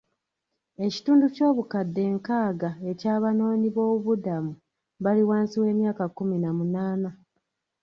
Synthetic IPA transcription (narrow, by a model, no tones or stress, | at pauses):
e̞ci̥tuːnduco̞ːβukadːe̞ːŋkaːɡae̞caːβano̞ːɲiβo̞ːβuβudamu | βaliwaːnsiwe̞ːmjaːkakːuminamunaːna